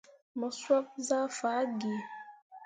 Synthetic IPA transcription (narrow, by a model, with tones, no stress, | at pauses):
mə˨swa˦p̚za˦fa˨˦ɡi˨